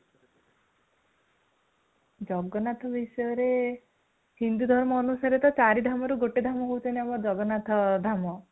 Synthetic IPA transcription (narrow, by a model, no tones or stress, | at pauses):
d͡ʒɔɡɔnat̪ʰɔbisɔjɔɾe | hind̪ud̪ʱɔɾmɔːnusaɾet̪ɔt͡ʃaɾid̪ʱamɔɾuɡoʈed̪ʱamɔɦouwt͡ʃʰɔneamɔd͡ʒɔɡɔnat̪ʰɔd̪ʱamɔ